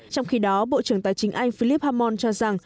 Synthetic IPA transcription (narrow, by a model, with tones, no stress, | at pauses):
t͡ɕɔ˧wŋ͡mxi˧ɗɔ˨˦ɓo̰˧˨t͡ɕɨ˧˩əŋt̪a̰ː˧˨˩jt͡ɕï˨˦ŋ̟ʔa˧jŋ̟fi˧li˦˥p̚haː˧mɔ˧nt͡ɕɔ˧za˨˩ŋ